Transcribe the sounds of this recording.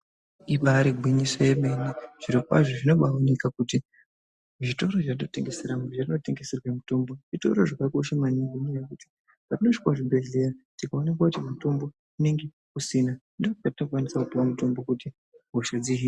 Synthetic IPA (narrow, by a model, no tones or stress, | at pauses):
iɓaɾiɡʱwiɲisajemeniʐ̥iɾikwa̰ʐoʐino̞ɓaonikakuti | ʐito̞ɾo̞ʐatino̞te̞ŋɡe̞seɾamoʐatino̞te̞ŋɡe̞serwemutombo̞ʐito̞̰ɾo̞ʐakako̞ʃamaniɡinijekuti̥ | patinoʂikwaʐibʱe̞ɮe̞ratikaonek̬wakutimatombo̞ | uneŋɡe | usinandootikatino̞kwanisakupiwamuto̞mbo̞kuti | ɦoʃad͡ziɦi